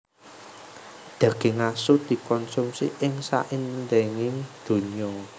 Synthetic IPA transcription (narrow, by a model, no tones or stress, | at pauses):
d̪̥ä̤ɡ̥e̤ŋasʊd̪̥i̤kɔnsumsḭʔɪŋsa̰ʔɪnd̪eŋɪŋd̪̥o̤niɔ